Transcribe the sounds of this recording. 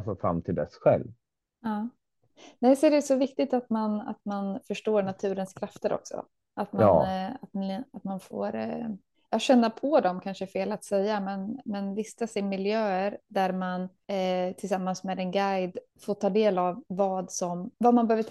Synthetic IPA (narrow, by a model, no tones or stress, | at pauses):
fɔfɾa̰mːt̪ʰɪld̪ɛ̰sɧɛ̰lv | ɑː | nɛjsɔæɖɛsɔvɪkt̪ɪt̪at̪mana̰t̪manfœʂʈoːɾɳat̪ʰʉ̟ːɾənskʰɾaft̪əɾʔɔ̰ksɔ̰ | ʔat̪ma̰nːat̪at̪manfo̰ːɾ | jɑːɕɛnːapʰɔd̪ɔmkʰanʂəfeːlat̪sɛjːamɛnmɛnvɪst̪asɛmɪljøːəɾd̪æɾman | t̪ʰɪlsamːansmɛːd̪ɛnɡajd̪ | foːʈʰɑːd̪eːlavːɑːd̪sɔmvamanbɛøːvə